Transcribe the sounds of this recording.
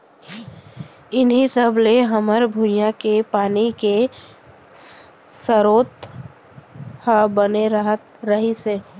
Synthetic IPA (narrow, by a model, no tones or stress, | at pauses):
ɪnɦisəbleɦɐməɾbʱujãkepaːnike | səɾoːt̪ | habəneɾəɦət̪ɾɐɦiseː